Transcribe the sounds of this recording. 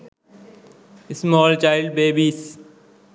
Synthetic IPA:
ɪsmɔːlt͡ʃaːɪlɖ̚beːbiːs

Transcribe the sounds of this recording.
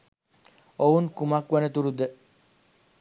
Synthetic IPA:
ounkumakʋɐnet̪uɾud̪e

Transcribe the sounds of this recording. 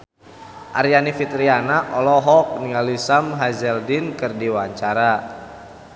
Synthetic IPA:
ʔaɾjanifit̪ɾianaʔɔlɔɦɔk̚nialisamɦazɛldinkɨrdiwaɲt͡ʃaɾa

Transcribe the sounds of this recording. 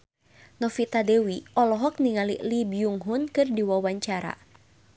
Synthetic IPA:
nɔfit̪adɛwiɔlɔɦɔk̚niŋalḭʔlibijuŋɦunkɨrdiwawaɲt͡ʃaɾa̰

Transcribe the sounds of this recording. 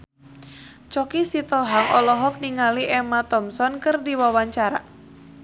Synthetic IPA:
t͡ʃɔkisit̪ɔɦaŋɔlɔɦɔk̚niŋaliʔɛmat̪ɔmsɔnkɨrdiwawaɲt͡ʃaɾa̰

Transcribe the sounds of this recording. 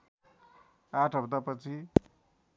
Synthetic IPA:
aʈʰʌbd̪apʌt͡sʰi

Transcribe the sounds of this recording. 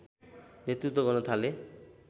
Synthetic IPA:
net̪ɾut̪ːɔɡɔnɔt̪ʰale

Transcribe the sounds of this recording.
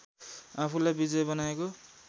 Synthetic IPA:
apʰulajbid͡zʌjbʌnaeko

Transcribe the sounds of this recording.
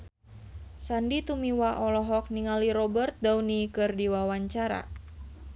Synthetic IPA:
sandit̪umiwaʔɔlɔɦɔk̚niŋaliɾɔbərt̪̚dauwnikɨrdiwawaɲt͡ʃaɾa̰

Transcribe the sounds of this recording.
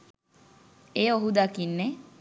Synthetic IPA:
eːoɦud̪akinːe

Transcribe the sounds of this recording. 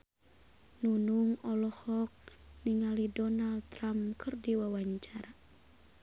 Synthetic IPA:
nunuŋɔlɔhɔk̚niŋalidɔnalt̪ɾamkɨrdiwawaɲt͡ʃaɾa

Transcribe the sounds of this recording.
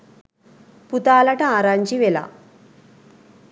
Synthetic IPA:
put̪aːlɐʈɐaːɾaːɲt͡ʃiʋela̰

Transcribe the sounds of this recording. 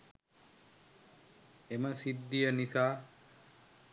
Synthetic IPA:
emɐsid̪ːijɐnisaː

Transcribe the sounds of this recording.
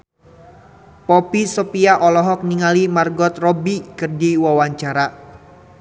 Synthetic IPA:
pɔpisɔpiaʔɔlɔɦɔk̚niŋalimarɡɔt̪̚rɔbikərdiwawaɲt͡ʃaɾa

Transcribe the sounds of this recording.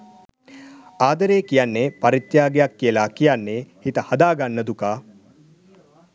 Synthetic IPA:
aːd̪əɾeːkijanːeːpɐɾit̪jaːɡejakːijəlakijanːeːhit̪əhɐd̪aːɡanːəd̪ukaː

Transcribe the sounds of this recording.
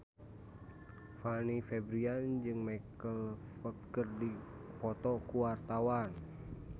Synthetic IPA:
fanifɛbɾiand͡ʒɨŋmakəlfəkkərdipɔt̪ɔkuwart̪awan

